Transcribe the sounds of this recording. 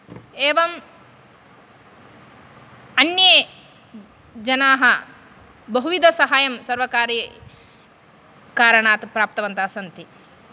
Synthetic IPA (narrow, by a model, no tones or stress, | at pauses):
eːʋɐm | ɐnje | d͡ʒɐnaːɦɐ | bɐɦuʋid̪ʱɐsɐɦaːjɐmsɐɾʋɐkaːɾjɐ | kaːɾɐɳaːt̪pɾaːp̚t̪ɐʋɐnt̪aːsɐnt̪i